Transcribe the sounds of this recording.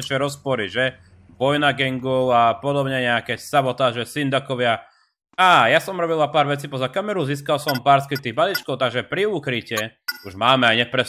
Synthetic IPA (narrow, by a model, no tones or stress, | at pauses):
ʃɛɾɔspɔɾiʒɛ | bɔjnaɡɛŋɡulapɔd̪ɔbɲɛɲɛakɛːsabɔt̪aːʒɛsind̪akɔʋɪa | aːjasɔmɾɔbilapaːɾʋɛt͡siːpɔzakamɛɾuziːskalsɔmpaːɾskɾit̪iːɣbalit͡ʃkɔʊt̪aɡʒɛpɾiukɾicɛuʒmaːmɛajɲɛpɾɛ